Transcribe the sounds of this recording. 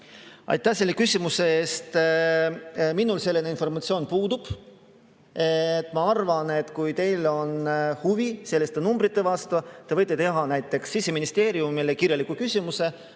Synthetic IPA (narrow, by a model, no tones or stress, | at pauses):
ɑ̰jt̪ːˑæhse̞lːe̞kysʲimuse̞eːst̪ | minulse̞lːeneinfo̞rmɑt̪sio̞ːnpuːd̪ub̥ | et̪ːˑmɑɑrvɑne̞t̪kujt̪e̞jlo̞nhuvise̞lːest̪enumbɾit̪ːˑe̞vɑst̪ut̪e̞vɤ̞jt̪ːˑet̪e̞ɦɑnæjt̪ːˑe̞ksːiseminist̪e̞ːɾiumilekirjɑlikːˑukysʲimuse̞